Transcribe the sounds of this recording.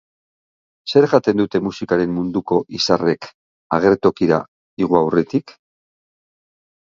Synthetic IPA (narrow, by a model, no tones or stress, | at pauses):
se̞ɾʝat̪e̞nd̪ut̪e̞musikaɾe̞mːund̪uko̞ʔisare̞k | aɣ̞e̞ɾt̪o̞kiɾa̰ | iɣuawre̞t̪ik